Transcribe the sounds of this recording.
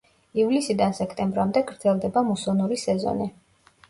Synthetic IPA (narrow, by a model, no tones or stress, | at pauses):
ivlisid̪ansɛkʰt̪ʼɛmbɾamd̪ɛɡɾd̪zʰɛlˠd̪ɛbamusɔnuɾisɛzɔ̰ni